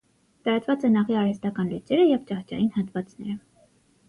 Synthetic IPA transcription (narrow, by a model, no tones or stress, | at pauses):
t̪ɑɾɑt͡sʰvɑt͡sɛnɑʁiɑɾhɛst̪ɑkɑnlut͡sɛɾəjɛvt͡ʃɑχt͡ʃɑ̰jinhɑt̪vɑt͡snɛɾə